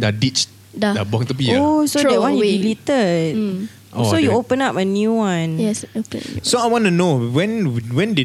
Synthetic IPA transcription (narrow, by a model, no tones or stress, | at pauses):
dadit͡ʃ | daabãŋt̪up̬iosodɛwãnjudilit̪ət̚ | sojjuopə̃napənjuwãnɛsosoajwɔ̃nunowɛ̃nwɛ̃nde